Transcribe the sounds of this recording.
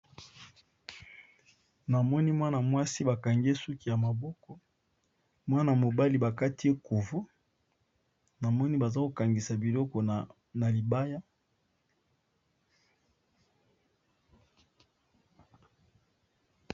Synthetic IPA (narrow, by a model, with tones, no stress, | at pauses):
na˨mɔ˦ni˦mwa˦na˨mwa˦si˦ba˨ka˨ŋɡe˦su˦ki˨ja˨ma˨bɔ˦kɔ˦ | mwa˦na˨mo˨ba˦li˨ba˨ka˦ti˦e˦ku˨vo˦ | na˨mɔ˦ni˦ba˨za˦ko˨ka˨ŋɡi˨sa˨bi˨lɔ˦kɔ˨ | na˨li˨ba˦ja˦